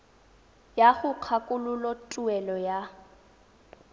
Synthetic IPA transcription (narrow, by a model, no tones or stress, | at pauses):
jaɣʊq͡χʰakʼʊlʊlɔtʼʊɛlɔja